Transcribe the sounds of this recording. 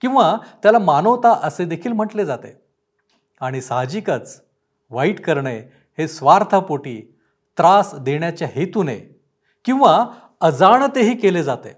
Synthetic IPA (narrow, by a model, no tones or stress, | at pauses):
kĩʋat̪jalamanəʋt̪aʔəsed̪ekʰiːlm̤əʈled͡zat̪e | aɽ̃isaɦd͡ʑikət͡s | ʋaiʈkəɾɳe | hesʋaɾt̪ʰapoʈiː | t̪ɾasd̪eɳjat͡ɕjaɦet̪unḛ | kĩw̃ʋa | əd͡zaɳt̪eɦiːkeled͡zat̪ḛ